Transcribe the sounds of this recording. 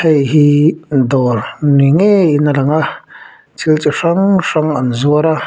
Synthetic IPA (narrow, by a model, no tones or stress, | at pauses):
hejɦind̪oɾniŋeinalaŋa | t͡silt͡ʃʼiʂaŋʂaŋanzuaɾa